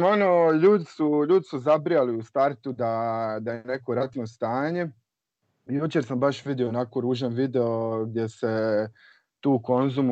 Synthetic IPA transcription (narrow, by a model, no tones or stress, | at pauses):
onoʎuːd̪isuʎuːd̪isuzabɾijaliust̪aɾt̪ud̪ad̪ajene̞ko̞ɾat̪nost̪aːɲe̞ | jut͡ʃeɾsambaʃʋid̪ioonakoɾuːʒanʋid̪eoɡ̚d̪je̞se̞ | t̪uːko̞nzum